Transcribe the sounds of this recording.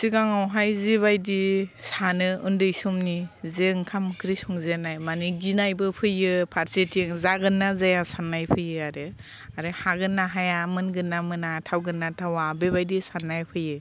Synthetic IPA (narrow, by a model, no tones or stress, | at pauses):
siɡaŋawɦajziβajdisanɯɯndɯjsɔmnizeŋkʰamkʰɾisɔŋzenajmaniɡinajbɯpʰɯjɯpʰaɾsetʰiŋzaɡɯnːazajasanːajpʰɯjɯaɾɯ | aɾɯhaɡɯnːaɦajamɯnɡɯnːamɯnatʰawɡɯnːatʰawabeβajdisanːajpʰɯjɯ